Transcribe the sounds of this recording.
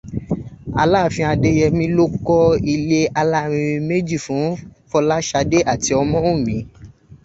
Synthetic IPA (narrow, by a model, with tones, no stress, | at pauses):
a̰˧la˦˨fĩ˧a˧de˧jɛ˧mĩ˦lo˦kɔ˦i˧le˦a˧la˦˨ɾ̃ĩ˧ĩ˧me˦d͡ʒi˦˨fũ˨˦fɔ˧la˦ʃa˧de˦ʔa˦˨ti˨˧ɔ˧mɔ̃˦ũ˦˨mĩ˨˦